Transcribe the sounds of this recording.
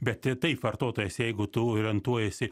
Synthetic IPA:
bʲɛt̪tʲɪt̪ɐɪpʋɐrt̪oːt̪oːjɛsjɛɪɡʊt̪ʊoːɾʲɛnt̪uɔjɛsʲɪ

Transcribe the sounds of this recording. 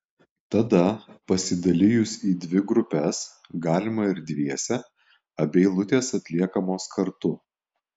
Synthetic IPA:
t̪ɐd̪ɐpɐsʲɪd̪ɐlʲɪjʊsiːd̪ʲʋʲɪɡɾʊpʲɛs | ɡɑːlʲɪmɐɪɾd̪ʲʋʲiɛsʲɛ | ɐbʲɛɪlˠʊt̪ʲeːsɐt̪ʲlʲiɛkɐmoːskʰɐɾt̪ʊ

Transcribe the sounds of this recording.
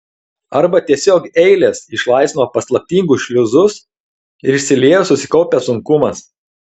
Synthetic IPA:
ɐɾbɐt̪ʲiɛsʲoːkɛɪlʲeːsɪʃlˠɐˑɪsʲnoːpɐslˠɐp̚ʲt̪ʲiːŋɡʊʃʲlʲʊzʊs | ɪɾɪʃʲsʲɪlʲiɛjoːsʊsʲɪ̥kɒʊpʲɛsʊŋkʊmɐs

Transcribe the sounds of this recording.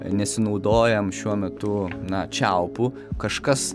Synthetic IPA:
nʲɛsʲɪnɐʊd̪oːjɛmʃʲuɔmʲɛt̪ʊnɐt͡ʃʲæʊpu | kɐʃkɐs

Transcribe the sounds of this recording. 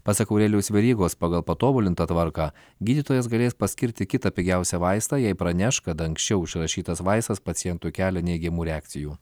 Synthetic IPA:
pɑsɐkɐʊɾʲɛːlʲɛʊsʋʲɛɾʲiːɡoːspɑːɡɐlˠpɐt̪oːbʊlʲɪnt̪ɐt̪ʋɐɾkɑː | ɡʲiːd̪ʲɪt̪oːjɛsɡɐlʲeːspɐsʲkʲɪɾʲt̪ʲɪkʲɪt̪ɐpʲɪɡʲæˑʊsʲɛʋɐɪst̪ɑːjɛɪpɾɐnʲæʃkɐt̪ɐŋksʲt͡ʃʲɛʊɪʃʲɾɐʃʲiːt̪ɐsʋɐɪst̪ɐspɐt̪ʲɪjɛnt̪ukʲæːlʲɛnʲɛɪɡʲɛmuːɾʲɛæːk̚t̪ʲɪjuː

